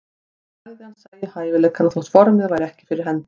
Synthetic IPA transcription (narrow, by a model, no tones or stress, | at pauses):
aɣðɪansajɪhaːjvɪlɛkʰaɾaθɔht̪fɔɾmɪðvajɾɛhcɪ̥fɪɾɪɾ̥ɦɛnː